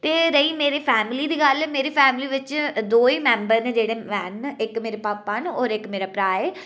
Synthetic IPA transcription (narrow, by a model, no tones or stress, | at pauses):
t̪eːɾəiːmeːɾeːpʰɛːmliːd̪iːɡəlɛmeːɾiːpʰɛːmɪliːʋɪt͡ʃd̪oːiːmɛ̃ːmbəɾnẽːd͡ʒeːɽeːʋɛːnɪkmeːɾepaːpːanɔːɾɪkmeːɾaːpɾaːeː